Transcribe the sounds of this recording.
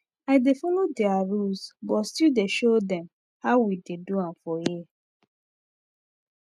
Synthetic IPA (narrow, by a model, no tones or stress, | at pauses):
aɪdefɔlodɛaɹulsbɔtstideʃodɛ̃m | haʊwideduãmfɔji